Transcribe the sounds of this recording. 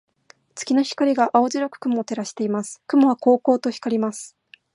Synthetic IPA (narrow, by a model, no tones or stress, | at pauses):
t͡sɨ̥kʲinoçi̥kaɾʲiɡaʔao̞ziɾokɯ̟̥kɯ̟moːt̪e̞ɾaɕi̥t̪e̞imasɨ̥kɯ̟moβ̞ako̞ːko̞ːt̪o̞çi̥kaɾʲimasɨ̥